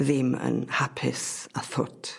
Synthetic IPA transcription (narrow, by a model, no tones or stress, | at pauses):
ðɪmə̰nhapʰɪsaθʊtʰ